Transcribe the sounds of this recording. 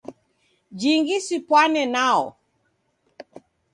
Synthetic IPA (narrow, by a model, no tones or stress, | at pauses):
d͡ʒiŋɡisipwanɛnaɔ̰